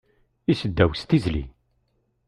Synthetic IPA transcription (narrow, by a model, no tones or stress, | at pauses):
isəd̪ːæwst̪izlḭ